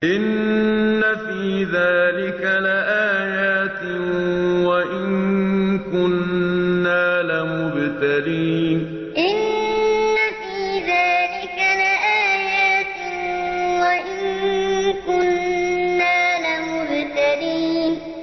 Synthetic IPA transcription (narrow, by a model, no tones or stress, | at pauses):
ʔɪnː | afiːðaːlɪkalɪʔaːjaːt̪ɪwaʔɪnkʊnː | aːlɪmʊbt̪aɾiːn | ʔɪnː | afiːðaːlɪkalɪʔaːjaːt̪ɪ | waʔɪnkʊnː | aːlɪmʊbt̪aɾiːn